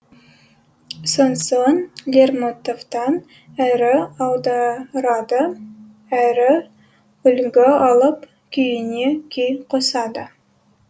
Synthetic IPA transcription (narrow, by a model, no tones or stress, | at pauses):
sonsonlʲermot̪ovt̪ɑn | æɾɪɑlˠd̪ɑɾɑd̪ə | æɾɪ | ʏlɡʲɪɑlˠəp | kʲʰejɪnekʲʰejqʰosɑd̪ə